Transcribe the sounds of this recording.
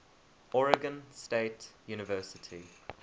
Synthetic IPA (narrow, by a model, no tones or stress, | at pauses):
ʔɔɹɪɡə̃nsteɪtjuːnɪvɜːˑsɪtʰi